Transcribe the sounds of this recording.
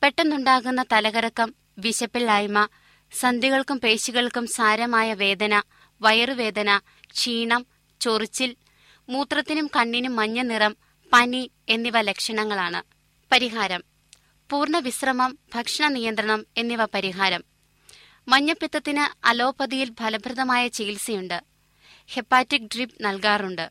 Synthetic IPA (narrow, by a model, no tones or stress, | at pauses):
pe̞ʈːenːuɳɖaːɣunːɐt̪ɐlɐɣɐɾɐkːɐm | ʋiɕɐpːiɭːaːjmɐ | sɐnd̪iɣɐɭkumpe̞ːɕiɣɐɭkumsaːɾɐmaːjɐʋe̞ːd̪ɐnɐ | ʋɐjɐrɨʋe̞ːd̪ɐnɐ | t͡ɕiːɳɐm | t͡ɕorit͡ɕːil | muːt̪rɐt̪ːinumkɐɳːinumːɐɲːɐnirɐm | pɐni | e̞nːiʋɐle̞kʂɐɳɐŋːɐɭaːɳɨ | pɐɾiɦaːɾɐm | puːrɳɐʋisrɐmɐmb̥ʱɐkʂɐɳɐnijɐnd̪ɾɐɳɐme̞nːiʋɐpɐɾiɦaːɾɐm | mɐɲːɐpːit̪ːɐt̪ːinɨɐ̰lo̞ːpɐðijilbʱɐlɐbʱɾɨðɐmaːjɐt͡ɕeːilsɐjuɳɖɨ | he̞pːaːtːik̚ɖripnɐlkaːruɳɖɨ